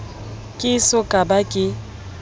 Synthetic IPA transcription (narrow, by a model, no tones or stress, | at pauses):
kʼɪsɔkʼabakʼɪ